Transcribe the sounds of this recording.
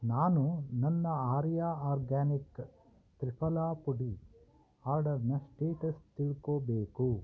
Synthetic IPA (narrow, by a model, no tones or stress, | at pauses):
naːnunɐnːɐaːɾjaːaːɾɡaːnik | t̪ɾipʰɐlaːpuɖi | aːɾɖɐɾnɐsʈeːʈɐst̪iɭkoːbeːku